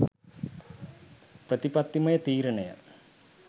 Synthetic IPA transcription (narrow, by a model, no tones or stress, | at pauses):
prɐt̪ipɐt̪ːimɐjɐt̪iːɾɐɳɐjɐ̰